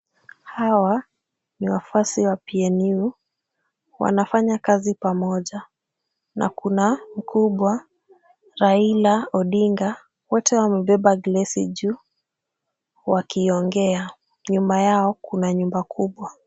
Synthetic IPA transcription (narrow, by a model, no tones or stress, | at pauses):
hawa | niwafuasiwapiɛniu | wa̰nafaɲakazipamɔʄa | na̰kunam̩kʰuɓwa | ɾailaɔɗiŋɡa | wɔtɛwamɛɓɛɓaɡlɛsiʄu | wakiːɔŋɡɛa | ɲumbajaɔkunaɲumbakʰuɓwa